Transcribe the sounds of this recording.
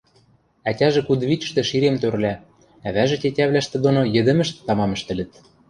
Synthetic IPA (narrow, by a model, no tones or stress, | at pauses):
ætʲæʒĕkud̪βit͡ɕ̪̆ʃt̪ĕʃiɾemt̪øɾlæ | æβæʒĕtʲetʲæβlæʃt̪ĕd̪onojɘ̆d̪ɘ̆mɘ̆ʃt̪̆ːɑmɑmɘ̆ʃt̪ɘ̆lɘ̆t̪̚